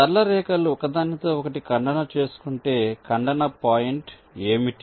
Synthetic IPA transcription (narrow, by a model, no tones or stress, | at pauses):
t̪ɐɾlɐɾɛːkɐluɔkɐd̪aːnːit̪o̞ːɔkɐʈikɐɳɖɐnɐt͡ʃe̞ːsu̥kuɳʈe̞ːkɐɳɖɐnɐpaːjiɳʈ | eːmiʈ